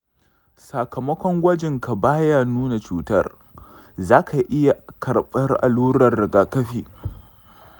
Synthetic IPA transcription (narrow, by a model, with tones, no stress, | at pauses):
sa˨kɐ˨mɐ˦kʷɔ˦ŋɡʷɐ˦d͡ʒɪ˨ŋka˨baː˦ja˦˨nuː˦na˨t͡ʃuː˦tɐ̰˦r | zaː˦kʰa˨ʔɪ˦ja˨kɐ˨ɽɓʼɐ˦rʔa̰˨luː˦ɾɐ˨rːɪ˨ɡaː˨kɐ˦ɸiː˨